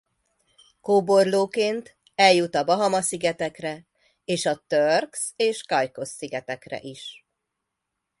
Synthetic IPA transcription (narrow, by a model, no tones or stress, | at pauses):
koːbo̞rloːkeːnt̪ | ɛljut̪ɒbɒɦɒmɒsiɡɛt̪ɛkrɛ | eːʃɒt̪ørkseːʃkɒjko̞sːiɡɛt̪ɛkrɛ̰ʔiʃ